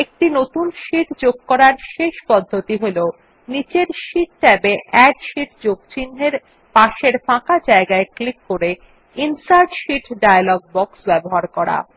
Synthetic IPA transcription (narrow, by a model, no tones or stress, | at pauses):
ek̚ʈinot̪unʃiʈd͡ʑoɡ̚kɔɾaɾʃeʃpɔd̪ʱːot̪iɦole | nit͡ɕeɾʃiʈ̚ʈɛbeʔɛɖʃiʈ̚d͡ʑoɡ̚t͡ɕinːeɾ | paʃeɾfãkad͡ʑaeɡaeklikːoɾe | insaɾɖʃiʈɖajalɔɡ̚bɔksbɛboɦaɾkɔɾa̰